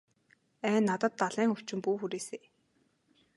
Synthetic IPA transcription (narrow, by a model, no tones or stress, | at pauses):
æːnːat̪ə̆t̪ːaɮiːŋɵw̥t͡ɕɪ̆mpuːxuɾeːseː